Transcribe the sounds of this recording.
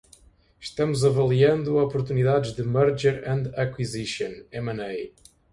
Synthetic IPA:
ʃt̪ɐmuzɐvɐlˠiɐ̃nd̪uɔpuɾt̪uniðaðɨʒðɨmɐɾʒɛɾɐ̃nd̪ɐkwiziʃõnɛmɐ̃nej

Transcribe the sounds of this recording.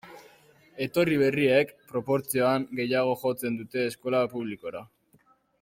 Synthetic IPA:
e̞t̪o̞riβ̞e̞rie̞kpɾo̞po̞ɾt͡sio̞aŋɡe̞jaɣ̞o̞ʝo̞t͡se̞nd̪ut̪e̞ːsko̞lapuβliko̞ɾa

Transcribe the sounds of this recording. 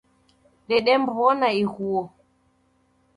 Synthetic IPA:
ɗɛɗɛmbɔnaiɣuɔ

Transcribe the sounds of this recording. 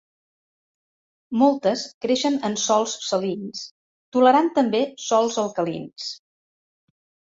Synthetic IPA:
mɔlˠt̪əskɾeʃənənsɔlˠssəlins | t̪uləɾant̪əmbesɔlˠzəlˠkəlḭns

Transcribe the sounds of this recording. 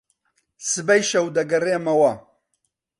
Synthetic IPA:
sɨbɐjʃɐwd̪ɐɡɐreːmɐwɐ

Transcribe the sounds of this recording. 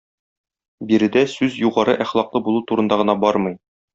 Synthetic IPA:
biɾɘ̆d̪æsʉzjuʁɑɾɤʔæχlˠɑqlˠɤbulˠut̪uɾɤ̆nd̪ɑʁɤ̆nɑbɒɾmɤj

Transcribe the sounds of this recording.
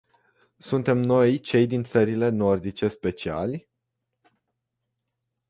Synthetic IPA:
sunt̪e̞mno̞jt͡ʃe̞jd̪int̪səɾile̞no̞rd̪it͡ʃe̞spe̞t͡ʃia̰lʲ

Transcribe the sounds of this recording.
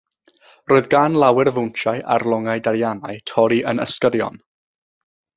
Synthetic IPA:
roːɨðɡanlˠawɛrvʊnt͡ʃajʔa̰rlˠɔŋajdaɾjanajtʰɔɾiʔənə̰skəɾjɔ̰n

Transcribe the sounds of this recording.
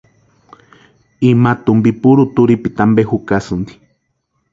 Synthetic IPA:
imat̪umbipuɾut̪uɾipit̪ambehukasɨnd̪i̥

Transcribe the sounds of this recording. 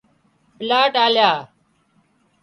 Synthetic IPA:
pɪlaːʈaːljaː

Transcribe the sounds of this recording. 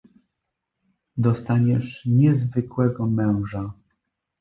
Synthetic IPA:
d̪ɔst̪aɲɛʂɲɛzvɘkwɛɡɔmɛ̃w̃ʐa

